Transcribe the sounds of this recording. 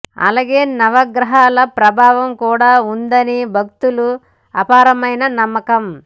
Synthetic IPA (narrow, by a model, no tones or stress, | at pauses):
ɐ̰laːɡeːnɐʋɐɡɾɐɦaːlɐpɾɐbʱaːʋɐmkuːɽaːund̪ɐnibʱɐk̚t̪ulu | ɐ̰paːɾɐmɐjnɐnɐmːɐkɐm